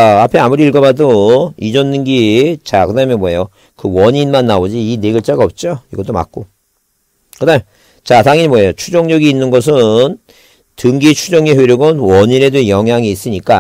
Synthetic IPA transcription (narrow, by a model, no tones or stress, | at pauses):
apʰe̞amuɾiiɭɡʌbadoid͡ʑʌnːɯnɡit͡ɕakɯdaɦmjʌnmwoɦejo | kɯwʌɲinmanːaod͡ʑiineɡɯɭt͡ɕ͈aɡaʌp̚t͡ɕ͈oiɡʌt͈oma̰k͈̚o | kɯdamjo | t͡ɕataŋiɲmwoɦe̞jot͡ɕʰud͡ʑʌŋɲʌɡiːnːɯnɡʌs̬ʰɯn | tɯŋɡit͡ɕʰud͡ʑʌŋeɸweɾjoɡɯnwʌɲine̞dojʌŋɦjaŋiːs͈ɯɲik͈a